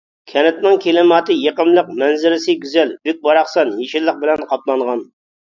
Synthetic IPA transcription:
kʲʰɛnɪt̪nɪŋkʲʰelɪmɑːt̪ʰɨjeqəmlˠəq̚mɛnzɪɾɪsɨɡʲyzɛlbyk̚ʲbɑɾɑχsɑnjeʃɪlːəq̚bɪlɛnqʰɑplˠɑɴʁɑn

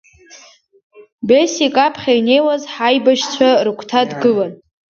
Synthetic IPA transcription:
besikʼapʰχʲaine̞jwazħajbaʃt͡sʷʰarɨkʷʰtʰadɡɨlan

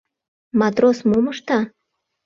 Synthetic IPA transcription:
mɑt̪ɾosmuməʃt̪ɑ

